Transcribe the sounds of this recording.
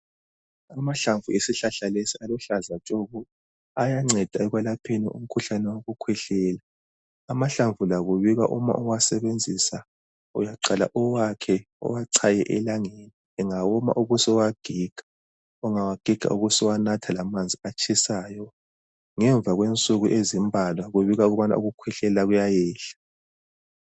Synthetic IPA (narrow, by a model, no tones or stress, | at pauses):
amaɬaɱvuesiɬaɬalesialɔɬazat͡ʃʼoɣu | ajaŋ͡ǀɛd̥ʱaɛɣwɛlapʰenḭʔṵm̩kʰuɬanɛwoɣukʰwɛɬɛːlaː | maɬaɱvʱulaɣuβiɣa̰ʔuma̰ʔɔwasɛβend͡zʱisa | ṵjaǀala̰ʔɔwakʰɛ | ɔ̰waǀʰajɛʔɛlaŋeni | ɛŋawɔma̰ʔuɣusɔwaɡ̥ʱiɡ̥ʱḁ | ɔŋawaɡ̥ʱiɡ̥ʱa̰ʔuɣusɔwanatʰalamand͡zʱiat͡ʃʰʼisaːjɔ | ŋɛɱb̪vʱaɣwent͡sʼuɣuʔezimbʱalwaɣuβiɣauɣuβana̰ṵɣukʰwɛɬɛlaɣujajɛːɬḁ